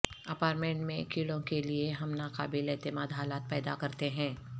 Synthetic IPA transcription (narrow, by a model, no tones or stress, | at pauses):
ɐpaːɾʈmẽɳʈmẽkiːɽõkelieɦɐmnaːkaːbileːt̪ɪmaːd̪ɦaːlaːt̪̚pɛːd̪akɐɾt̪eɦɛ̃ː